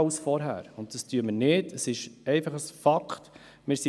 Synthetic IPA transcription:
ʊsfɔɾɦæ̰ːɾʊnt̚d̥ɑstyəməɾnɪd̥əsɪʃɛɪfɑχəsfɑkχt | mɪɾsi

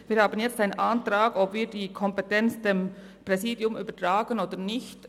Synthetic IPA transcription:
viːɾhaːbənjɛt͡staɪnənʔantɾaːɡɔpviːɾdiːkʰɔmpɛtɛnt͡sd̥em | prɛziːdjʊmyːbətʁaːɡənoːdənɪçt

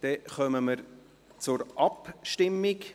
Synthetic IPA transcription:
d̥ɛχœməməɾ | t͡sʊɾʔɑpʃtɪmːik

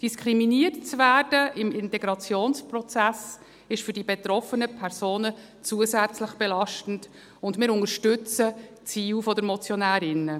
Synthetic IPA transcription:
d̥iskʰɾiminiərtt͡svæːrd̥əʔɪmɪntɛɡɾɑt͡sjoːnspɾɔt͡sæs | ɪʃfʏɾdibɛtɾɔfənəpʰɛɾsoːnə | t͡suəzæt͡sləχb̥ɛlɑʃtn̩d | ʊndmɪːɾʊŋəɾʃtʏt͡sə | t͡siːwfɔdəɾmɔt͡sjɔnæːɾɪnːə

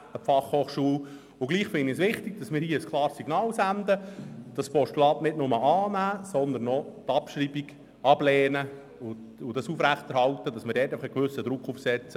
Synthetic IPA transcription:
əfɑχhoːχʃuːl | ʊɡliːχfɪnːisʋɪχtiɡ̚d̥ɑsmɪːɾhiəəskʰlɑːɾsːiɡnɑːlsændəd̥ɑspɔʃtulɑːtnɪdnʊməʔɑːnæːsɔnd̪ənːɔt̪ɑpʃɾiːbiɡ | ɑb̥lɛːnə | ʊ | ʊdɑsuːfɾæχt̪ɛɾhɑlt̪əd̥ɑsmɪːɾdɛːtːaɪfɪχəɡʋʏsəd̪ɾʊkːufsɛt͡sə

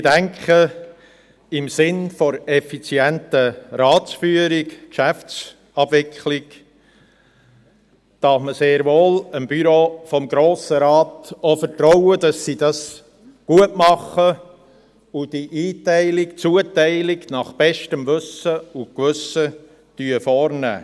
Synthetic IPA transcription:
dæŋkχə | ɪmsɪnfɔɾɛfit͡sjɛntəɾɑːt͡sfyːəɾɪkkʃæft͡s | ɑbvɪkχlɪk | d̥ɑfməseːɾvoːləmbyɾoːfɔmɡɾoːsəɾɑːtofəɾtɾɔʊəd̥ɑsːidɑs | ɡ̥uətmɑχə | ʊd̥iʔiːtæɪlɪkt͡suətɛɪlɪɡnɑχb̥ɛʃtəmʋɵsəʊkʋʏsə | tyəfɔːɾnæ̰ː

